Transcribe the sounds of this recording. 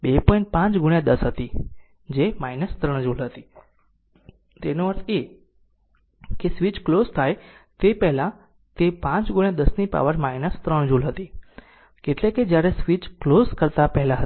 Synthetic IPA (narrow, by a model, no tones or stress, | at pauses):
bepɔĩɳʈ̚pãt͡ʃɡuɳjad̪əsɦət̪i | d͡ʒemainəst̪ɾəɳ̃d͡ʒulɦət̪i | t̪enõəɾt̪e | kesʋit͡ʃklozt̪ʰajt̪epɛɦlã | t̪epãt͡ʃɡuɳ̃jad̪əsnipa̰ʋəɾmainəst̪ɾəɳ̃d͡ʒulɦət̪i | keʈlẽked͡ʒjaɾesʋit͡ʃklozkəɾt̪apɛɦlaɦə